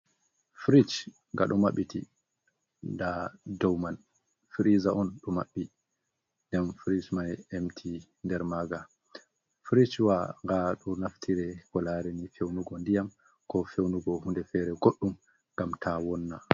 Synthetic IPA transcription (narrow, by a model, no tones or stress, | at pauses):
fɾit͡ʃ | ŋɡa̰ɗɔmaɓːiti | dadɔwman | fɾizaɔnɗɔmaɓːi | ndɛnfɾit͡ʃmajemtʰi | ndɛɾmaːɡa | fɾit͡ʃwaŋɡaɗɔnaftʰiɾɛkɔlaɾɛnifewnuɡɔndijam | kɔfewnuɡɔhundɛfɛɾɛɡoɗːum | ŋɡamtʰawɔnːa